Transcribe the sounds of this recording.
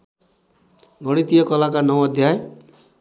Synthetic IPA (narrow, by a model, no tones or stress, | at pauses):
ɡʌɽ̃it̪ijʌkʌlakanʌwʌd̪ʱjaje